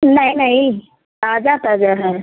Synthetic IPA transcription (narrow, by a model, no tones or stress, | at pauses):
naɦinaɦi | tad͡zat̪ad͡zaɦaɾ